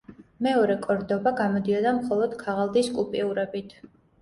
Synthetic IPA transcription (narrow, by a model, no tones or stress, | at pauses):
mɛɔɾɛkʼɔɾd̪ɔbaɡamɔd̪iɔd̪amχɔlˠɔd̪̥kʰaʁalˠd̪iskʼupʼiuɾɛbit̪ʰ